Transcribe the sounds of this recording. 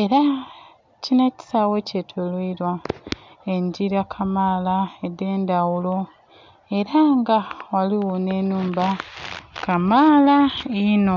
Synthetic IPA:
e̞ɾa | cinaci̥sawocetʰolwiɾwa | eɲɟiɾakʰamaːlaedːe̞ːndawulo̞ | e̞ɾaŋɡawaliwone̞ːnuːmba | kamaːlaino

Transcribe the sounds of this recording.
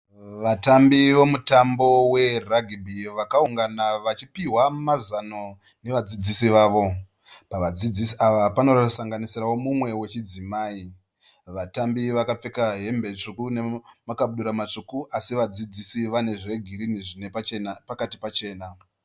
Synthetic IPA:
ʋatambiʋo̞mutambo̞we̞raɡʱibʱiʋakauŋɡanaʋat͡ʃipiɦwamazano̞ | ne̞ʋad͡zid͡zisiʋaːʋo̞ | paʋad͡zid͡zisaʋapano̞saŋɡanisirawo̞mumwe̞we̞t͡ʃid͡zimaːi | ʋatambiʋakap͡fe̞kaɦe̞mbe̞t͡ʂukunemakaɓuɗuɾamat͡ʂukuʔasiʋad͡zid͡zisiʋane̞ʐe̞ɡʱiɾiniʐinepaenapakatipat͡ʃe̞ːna

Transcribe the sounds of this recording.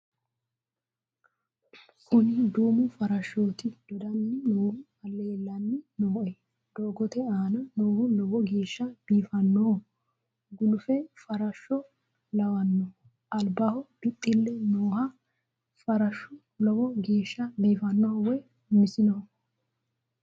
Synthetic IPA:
kʰʊnɪd̪uːmʊfɐɾɐʃoːt̪ɪd̪̥ɔd̪ɐnːɪnoːhʊ | ɐleːlːɐnːɪnoːʔɛ | d̪̥oːɡɔt̪ɛaːnɐnoːhʊlɔwɔɡeːʃːɐb̥iːfɐnːo | ɡʊlʊfɛfɐɾɐʃːɔ | lɐwɐnːoː | ɐlbaːhɔb̥ɪt̪ʼːɪlːɛnoːhɐ | fɐɾɐʃʊ | lɔwɔɡeːʃːɐbiːfɐnːɔwɔj | mɪsɪnɔ

